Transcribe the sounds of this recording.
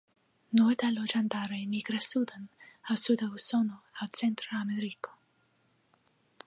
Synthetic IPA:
not̪alod͡ʒand̪aɾemiɡɾasud̪ənhasud̪ausonoat̪sent̪ɾaameɾiko̥

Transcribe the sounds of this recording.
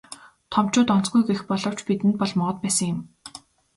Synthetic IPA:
t̪ʰɔm̥t͡ɕʊːt̪ɔn̥t͡sɡujɡexpɔɮɞ̆w̥t͡ɕpit̪ɘ̆nt̪̚pɔɮmɔʁɞ̆t̪̚pæːsə̆ŋjɪ̆m

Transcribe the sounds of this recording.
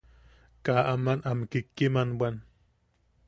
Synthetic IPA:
kaːʔamanʔamkikːimanwan

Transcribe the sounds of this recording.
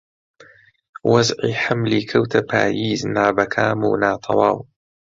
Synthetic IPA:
wazʕiħamlikʰawt̪ʰapa̰ːjiːznaːbakʰaːmṵːnaːt̪ˤʰɑ̰waːw

